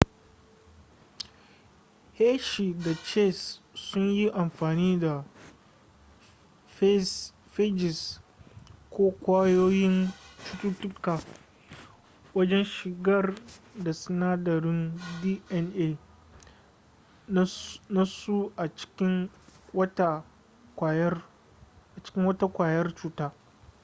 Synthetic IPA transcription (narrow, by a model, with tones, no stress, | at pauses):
heː˦ʃi˨da˨t͡ʃe˦˨sːʊ˦ɲji˦ʔa˨mɸaː˨niː˦da˨ | f | fe˦d͡ʒɪ˨s | kʷoː˦kʷaː˦joː˦jɪ˦nt͡ʃʊ̥˦tʊ˦tʊ˦kaː˨ | wɐ˦d͡ʒɛ˦nʃɪ˨ɡɐ˦rda˨sɪ˦naː˦dɐ˨ɾɪ˦ndi˦ʔɛ˨nʔeː˦ | na˦su˦ʔa˨t͡ʃɪ̥˦kʲɪ˦ŋwɐ˦ta˦ | kʷa˨j | ʔa˨t͡ʃɪ̥˦kʲɪ˦ŋwɐ˦ta˦kʷaː˨jɐ˦rt͡ʃuː˦taː˦